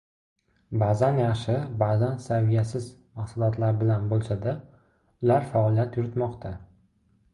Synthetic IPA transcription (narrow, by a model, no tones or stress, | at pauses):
bazanjɑχʃɪbazansavijasɪzmaqsalˠɒt̪ʰlaɾbɪlanbolˠsad̪a | ʊlaɾfaɒlˠijat̪jʊɾɪt̪mɒqt̪ʰa